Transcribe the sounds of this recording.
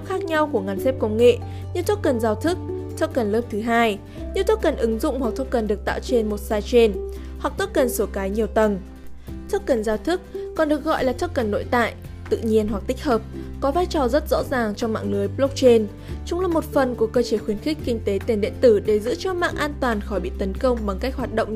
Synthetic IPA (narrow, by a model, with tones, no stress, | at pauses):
xaː˦˥k̚ɲa˧wku˧˩əŋa˨˩ŋ̟sɛ˦˥p̚kə˧wŋ͡mŋḛ˧˨ | ɲɨ˧t̪ʰo˦˥k̚kə˨˩nzaː˧wt̪ʰɨ˦˥k̚t̪ʰə˦˥k̚kə˨˩nləː˦˥p̚t̪ʰɨ˨˦ɦaː˧j | ɲɨ˧t̪ʰo˦˥kːə˨˩nʔɨ˨˦ŋzʊ̰˧˨ŋ͡mhwa˨˩k̚t̪ʰə˦˥kə˨˩nɗɨ˨˩ək̚t̪a̰ː˧˨wt͡ɕe˧nmo˨˩t̚saː˧jt͡ɕe˧n | hwa˨˩k̚t̪ʰːt̚kə˨˩nso˨˧˦kaː˨˦jɲi˨˩əwt̪ə˨˩n | t̪ʰə˦˥k̚kə˨˩nzaː˧wt̪ʰɨ˦˥k̚ːɔ˨˩nɗɨ˨˩ək̚ɣɔ̰˧˨jlaː˨˩t̪ʰə˦˥kːə˨˩nːo̰˧˨jt̪a̰ː˧˨j | t̪ɨ̰˧˨ɲi˧ənɦwa˨˩k̚t̪ï˦˥k̚həː˨˩p̚kɔ˨˦vaː˧jt͡ɕɔ˨˩zə˦˥t̚zɔ̰˧˥zaː˨˩ŋt͡ɕɔ˧ŋ͡mma̰ː˧˨ŋnɨ˨˦əjplo˦˥k͡p̚t͡ɕe˧n | t͡ɕʊ˨˦ŋ͡mlaː˨˩mo˨˩t̚fə˨˩nku˧˩əkəː˧t͡ɕe˧˩xwi˧ənxi˦˥k̟̚kï˧ŋ̟t̪e˨˦t̪i˧˩nɗḭ˧˨ənt̪ɨ˧˩ɗe˧˩zɨ̰˧˥t͡ɕɔ˧ma̰ː˧˨ŋʔaː˧nt̪waː˨˩nxɔ˨˦jɓḭ˧˨t̪ə˨˦nkə˧wŋ͡mɓa˨˩ŋka˦˥k̚ɦwaː˨˩t̚ɗə̰˧˨wŋ͡m